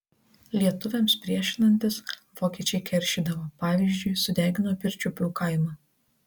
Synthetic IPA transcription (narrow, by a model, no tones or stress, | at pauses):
lʲiɛt̪ʊʋʲɛmspʲɾʲiɛʃʲɪnɐnʲt̪ʲɪsʋoːkʲiɛt͡ʃʲɛɪkʲɛɾʲʃʲid̪ɐʋoːpɑːʋʲiːzʲd͡ʒʲʊɪsʊd̪ʲæːɡʲɪnoːpʲɪɾʲt͡ʃʲʊpʲuːkɐɪmɐ